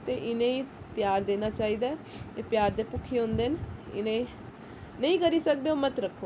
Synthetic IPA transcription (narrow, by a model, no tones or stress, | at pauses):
t̪eʔɪnẽi | pjaːɾd̪eːnat͡ʃaːɦid̪a | epjaːɾd̪epʊkʰeɦʊ̃nd̪enɪ̰nẽi | nɐĩkəɾisək̚d̪eoːmət̪ɾəkʰːoː